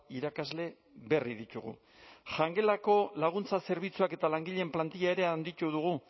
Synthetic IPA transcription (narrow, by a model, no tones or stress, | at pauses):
iɾakazle̞ | βe̞riðit̪uɣṵ | ʝaŋɡe̞lako̞laɣ̞unt͡sase̞ɾβ̞it͡suake̞t̪alaŋɡiʎe̞mplant̪iʎae̞ɾe̞and̪it̪uðuɣ̞u